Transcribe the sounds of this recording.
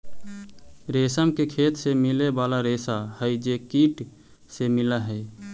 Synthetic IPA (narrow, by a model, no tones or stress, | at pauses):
ɾesəmkekʰeːt̪semilebaːlaɾeːsahəjd͡ʒekiʈ | semɪlaɦəj